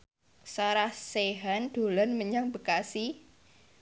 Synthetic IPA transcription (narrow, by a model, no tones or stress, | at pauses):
saɾahseɦanɖ̪̥o̤lanməɲaŋbə̤kasi